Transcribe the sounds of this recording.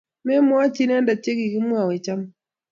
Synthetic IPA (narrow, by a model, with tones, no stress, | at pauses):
mɛ˦mwa˦t͡ʃi˦n˦a˦nda˨t͡ʃe˦ki˨ki˦mwa˨we˨t͡ʃa˦m˦